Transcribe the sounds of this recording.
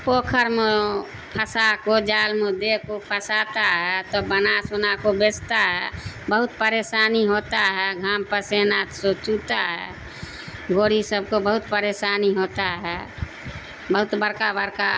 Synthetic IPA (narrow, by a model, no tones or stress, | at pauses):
pokʰəɾme | pʰəsakod͡ʒaːlmed̪ekopʰəsat̪aɦɛt̪ɔbənasunakobest̪aɦɛbəɦut̪pəɾesaːniɦot̪aɦɛɡʱampəsenat̪sot͡ʃut̪aɦɛ̰ | ɡoːɾisəb̚ʱkobəɦut̪pəɾesaniɦot̪aɦɛ | bəɦut̪bəɾkabəɾka